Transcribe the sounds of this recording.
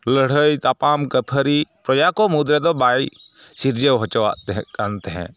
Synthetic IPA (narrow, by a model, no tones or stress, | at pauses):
ləɽ̤əjt̪aːpaːmkəpʰəɾipɾɐd͡ʒakomud̪ɾɛd̪ɔbaːisiɾd͡ʒewɦɔt͡ʃəaant̪eɦɛ̰̃ː